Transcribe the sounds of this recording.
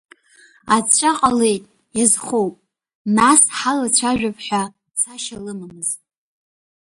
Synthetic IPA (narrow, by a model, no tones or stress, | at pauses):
at͡ɕʷʰʼaqʼale̞jtʼ | jazχowpʼ | nasħalat͡ɕʷʰaʒᶣapʰħʷᶣa | t͡sʰaʃalɨmamɨztʼ